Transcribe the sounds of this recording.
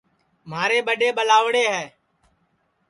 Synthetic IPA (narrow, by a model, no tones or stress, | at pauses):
maːɾeːɓəɗeːɓəlaːʋɽeːɦɛː